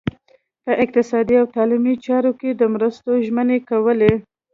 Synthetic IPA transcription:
pəʔɪq̚t̪ɪsɑd̪iawt̪ɑlimit͡ʃɑɾoked̪əmɾəst̪oʒmənekawəle

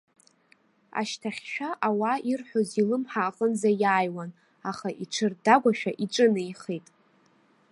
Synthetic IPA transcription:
a̰ʃtʰaχʲʃᶣaʔawaʔirħʷᶣozilɨmħaːqʼənzajaːjwan | aχaʔiʈ͡ʂʰɨrdaɡʷaʃᶣaʔiʈ͡ʂʼɨnɨiχejtʼ

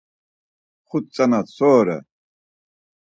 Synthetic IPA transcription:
χut̪̚t͡sʼanat̪sɔːɾɛ̰

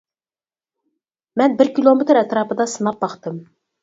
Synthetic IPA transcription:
mɛnbɪɾkʲilˠomɪt̪ɾɛt̪ɾɑːpɨd̪ɑsɨnɑp̚bɑχt̪ɨm

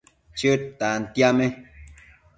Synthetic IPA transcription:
t͡ʃot̪ant̪jamẽ

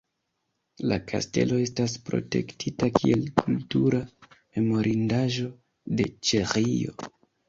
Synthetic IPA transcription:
lakʰa̰ste̞̰lo̞e̞staspɾo̞̰te̞̰ktʰitakʰie̞lkʰultuɾame̞mo̞ɾʔindaʒo̞ | de̞t͡ʃeʁijo̞̰

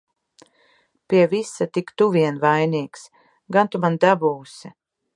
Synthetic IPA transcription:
piɛvisat̪ikt̪uviɛnvajniːks | ɡant̪umand̪abuːsɛ

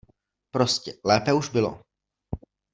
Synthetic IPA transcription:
pɾo̞scɛlɛːpɛuʒbɪlo̰

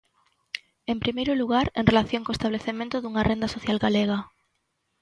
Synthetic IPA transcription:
empɾimejɾoluɣ̞aɾenrelaθjoŋkoest̪aβ̞leθemẽnt̪ʊðuŋarend̪asoθjalɣaleɣ̞a

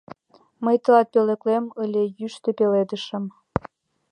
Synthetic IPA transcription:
məjt̪əlɑt̪̚pelĕklemə̆lʲejyʃt̪epeled̪ə̆ʃə̆m

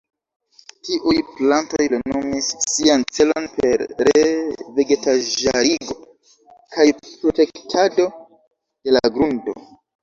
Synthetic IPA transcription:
tiʔujplantojlenomisːiant͡se̞lo̰npe̞ɾɾeve̞ɡe̞taʒaɾiɡo̞ | kajpɾote̞ktʰado̞ | de̞laɡɾundo̞̰

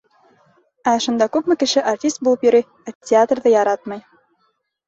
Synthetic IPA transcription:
æʃŭnd̪ɑkʉpmɘ̆kɘ̆ʃɘʔartʲist̪̚bulˠɤpjɵ̆ɾɘj | ætʲɪat̪rðɤjɑɾɑt̪̚mɑj

